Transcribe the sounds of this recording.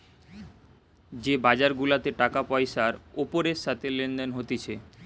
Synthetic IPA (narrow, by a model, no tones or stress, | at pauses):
d͡ʑebad͡ʑaɾɡulat̪eʈakapɔeʃaɾopoɾeʃat̪ʰelenɖenɦot̪et͡ɕʰe